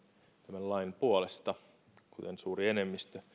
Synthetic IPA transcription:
t̪æmællɑinpuolest̪ɑ | kut̪ensuːrienemːist̪ø

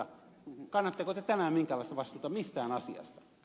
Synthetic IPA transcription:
ɑ | kɑnːɑt̪ːɑkot̪ːet̪æmæmiŋkælɑˑist̪ɑʋɑst̪uːt̪ɑmmist̪æːnɑsiɑ̰st̪ɑ̥

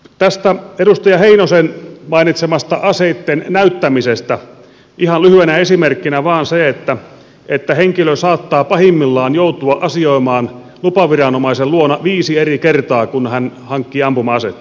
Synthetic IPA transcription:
t̪æst̪æeɾust̪ɑjɑheinosenmɑinit̪semɑst̪ɑʔɑseit̪ːennæyt̪ːæmisest̪æ | ʔihɑnlyhyenæesimerkːinæʋɑːnseet̪ːæ | et̪ːæheŋkiløsɑːt̪ːɑːpɑhimːilːɑːnjout̪uɑʔɑsioimɑːn | lupɑʋirɑnomɑiselluonɑʋiːsierikert̪ɑːkunhænhɑŋkːiɑmpumɑɑset̪ː

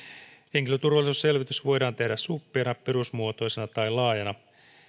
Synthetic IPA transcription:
heŋ̟kiløt̪urʋɑlːˑisusse̞lʋit̪ysʋo̞jdɑːnt̪e̞hdæssupːiɑnɑpeɾusmuot̪o̞jsenɑt̪ɑjlɑːjɑnɑ

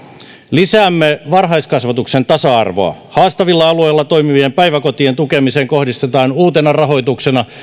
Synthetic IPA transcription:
lisæːmːeʋɑrɦɑiskɑsʋɑt̪uksent̪ɑsɑɑ̰rʋo̰ɑ̰hɑːst̪ɑʋilːɑɑluejlːɑt̪oimiʋiempæiʋækot̪ient̪ukemiseːŋkohdist̪et̪ɑːnuːt̪enɑrɑɦo̞it̪uksenɑ

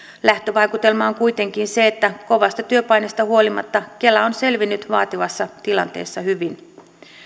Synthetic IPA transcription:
læht̪øʋɑjkut̪e̞lmɑːŋkujt̪e̞ŋkinse̞ːt̪ːæko̞ʋɑst̪ɑt̪yøpɑjne̞st̪ɑhuo̞limɑ̰t̪ːɑke̞lːæo̞nse̞lʋinːyt̪ʋɑːt̪iʋɑsːɑt̪ilɑ̰nt̪e̞̰ːsːɑhyʋin

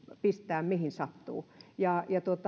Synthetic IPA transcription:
pist̪æːmmihinsɑt̪ːṵːjɑjɑt̪uot̪

